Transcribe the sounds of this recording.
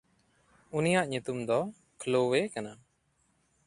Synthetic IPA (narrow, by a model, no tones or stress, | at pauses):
unijaʔɲut̪umd̪ɔ | kʰlowekana